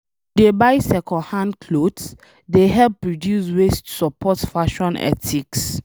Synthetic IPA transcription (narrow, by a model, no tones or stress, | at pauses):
debajsɛkʰɔ̃nhãnkʰlods | deɦɛpːɹɔdjuswestu̥sɔpʰɔtfaʃɔ̃nɛ̰tʰiks